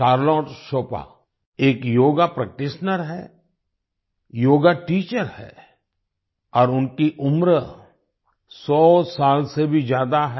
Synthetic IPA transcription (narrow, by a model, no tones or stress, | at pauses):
ʃaːɾlɔːʈʃoːpa̰ | eːkjoːɡapɾɐk̚ʈɪʃnəɾɦɛ̰ː | joːɡaʈiːt͡ʃəɾhɛ̰ː | ɔːɾʊnkiʔʊmɾə | sɔːsaːlsebʱid͡ʒjaːd̪aɦɛ